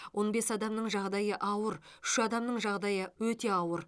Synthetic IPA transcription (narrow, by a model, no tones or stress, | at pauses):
wʔo̞nbe̞sɑd̪ɑmnəɴʒɑʁd̪ɑjəʔɑwəɾʏʃɑd̪ɑmnəɴʒɑʁd̪ɑjəwɵt̪e̞ɑwəɾ